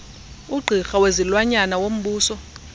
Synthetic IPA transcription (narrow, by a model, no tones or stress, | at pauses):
uɡ͡ǃʱixawezilwaɲanawom̩ɓuːsɔ